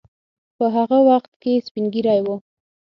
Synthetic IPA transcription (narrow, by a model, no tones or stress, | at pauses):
pəɦaɣawaxt̪̚kespiŋɡiɾɑjwu